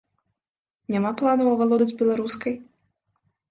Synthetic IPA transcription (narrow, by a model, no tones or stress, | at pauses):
nʲamaplˠanɐwɐvalˠɔd̪ɐd͡zʲbʲɛlˠaɾuskɐj